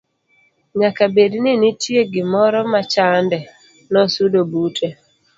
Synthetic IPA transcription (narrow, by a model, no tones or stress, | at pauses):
ɲakabednɪnɪtjeɡɪmɔɾɔmat͡ʃandɛ | nɔsudobutʰe